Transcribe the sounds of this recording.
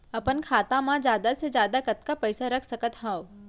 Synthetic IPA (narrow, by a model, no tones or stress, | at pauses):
ɐpənkʰaːt̪ãmãd͡ʒjaːd̪ased͡ʒjaːd̪akət̪kapəɪsaɾəkʰsəkət̪ɦão